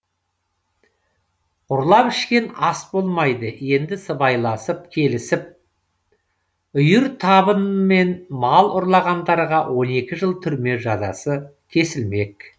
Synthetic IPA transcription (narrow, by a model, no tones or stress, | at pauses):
ʊɾlˠɑpɪʃkʲe̞nɑsbo̞lˠmɑjd̪əe̞nd̪ɪsəbɑjlˠɑsəp̚kʲʰe̞lɪsɪp̚ | ʏjɪɾt̪ʰɑbənme̞nmɑlˠʊɾlˠɑʁɑnd̪ɑɾʁɑwʔo̞ne̞kʲɪʒəlˠt̪ʰʏɾme̞ʒɑzɑ̰səkʲʰe̞sɪlme̞k